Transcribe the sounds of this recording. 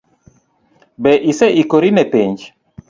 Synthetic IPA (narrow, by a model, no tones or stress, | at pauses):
bɛʔisɛʔikoɾinɛpeɲd͡ʒ